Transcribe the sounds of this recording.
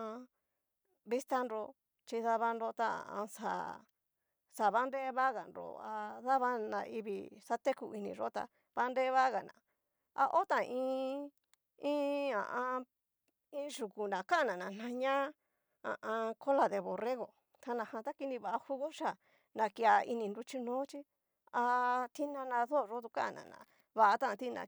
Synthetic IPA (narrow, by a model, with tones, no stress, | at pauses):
a˧ | βi˦st̪a˦nɾo˧ | t͡ʃi˧ða˧βa˧nɾo˧t̪a˦ã̰˨ʔã̰˧sa̰˨ | sa˨βa˦nɾe˦βa˦ɣa˨nɾo̰˧a˧ða˦βa˧nã̰˨i˧βḭ˨sa˧t̪e˦ku˧i˧nĩ˧ʐo˦t̪a̰˧ | βa˦nɾe˦βa˦ɣa˨nã̰˨ | a̰˧ʔo˦t̪ã˨˧ĩː˧˦ | ĩ˦ã̰˨ʔã˧ | ĩː˦ʒu˨ku˨nã˨ka˦˨nã˨nã˨n̥ã˧ɲã˦ | ã̰˨ʔã˧kʰo˦la˧ðe˧βo˨re˦ɣo˨ | t̪ʰa˧nã˨hã˧t̪a˦ki˧nĩ˧βa˧˨a˧hu˧ɣo˦ʃa˨ | nã˨ki˧a˧ḭ˧nĩ˧nɾu˧t͡ʃi˧nõː˨˦t͡ʃi˦ | a˧t̪ʰi˦nã˧nã˧ðo˦˨ʐo˦t̪u˧kã˦a˨nã̰˨nã̰˨ | βa˧ʔa˧t̪ã˦ʔã˧t̪i˦˧nã̰˧˨